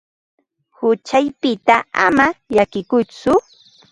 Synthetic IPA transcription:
hʊt͡ʃajpɪt̪aa̰maʎakɪkʊt͡sʊ

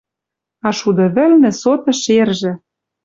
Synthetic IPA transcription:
ɑʃud̪ɤ̆βɘ̆lnɘ̆sot̪ɤ̆ʃerʒĕ

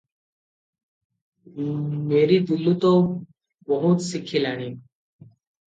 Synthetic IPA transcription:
meɾiːd̪ulːut̪ɔ | bəɦut̪sikʰilaɽ̃i

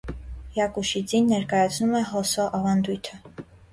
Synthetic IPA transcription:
jɑkuʃid͡zinːɛɾkɑjɑt͡sʰnumɛɦɔsɔʔɑvɑnd̪ujt̪ʰə

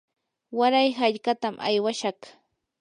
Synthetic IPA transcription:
waɾajhaʎkat̪amʔa̰jwaʃɑχ

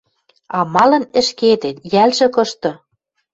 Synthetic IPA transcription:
ɑmɑlɤ̆nɘ̆ʃket̪ĕt̪jælʒɘ̆kɤ̆ʃt̪ɤ̆

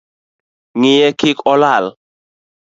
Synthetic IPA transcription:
ŋɪjɛkɪkɔlal

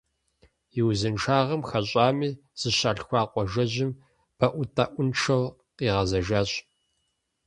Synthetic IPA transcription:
jɪwzɨnʈ͡ʂʰaːʁɐmxɐɕʼaːmiː | z̥ɨɕaːɬxʷɑːqʷʼɔʒɐʑɪm | b̥ɐʔʷʊtʰʼaːʔʷʊnʈ͡ʂʰɐw | qiːʁɐzɐʒaːɕ

